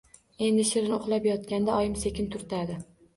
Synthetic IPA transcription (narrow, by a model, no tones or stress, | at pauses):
e̞nd̪ɪʃɪɾɪnoχlˠapjɒt̪̚kʲand̪aɒjɪmse̞kʲɪnt̪ʰʊɾt̪ʰad̪ɪ